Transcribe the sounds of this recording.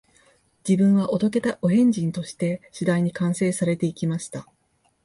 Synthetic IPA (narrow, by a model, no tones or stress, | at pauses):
d͡ʑibɯ̟̃ɰ̃βaʔo̞t̪o̞k̬e̞t̪aʔo̞ɦẽ̞ɲ̟d͡ʑĩnt̪o̞ɕi̥t̪e̞ɕid̪aiɲ̟ikãɰ̃se̞ːsaɾe̞t̪e̞ikʲimaɕi̥t̪a